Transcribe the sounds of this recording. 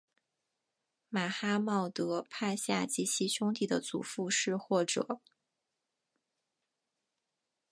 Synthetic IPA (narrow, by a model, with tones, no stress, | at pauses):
ma˨˩xa˥mɑ˥˩ʊt̪ɤ˧˥pʰa˥˧ɪɕja˥˧t͡ɕi˥˩t͡ɕʰi˧˥ɕjʊ˥ŋt̪̬i˥˩d̪ə˨t͡sṵ˨˩fu˥˧ʂɻ̩˥˧xwɔ˥˩ʈ͡ʂɤ̰˨˩˦